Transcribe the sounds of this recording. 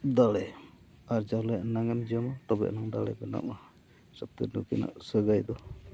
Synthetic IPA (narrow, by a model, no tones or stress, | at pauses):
d̪alɛ | aɾd͡ʒalɔjaʔnaŋɛmd͡ʒəmat̪ɔbɛ̰ʔnaŋd̪alɛ̰bɛna̰ma | sap̚t̪ənukina̰ʔsəɡajd̪ɔ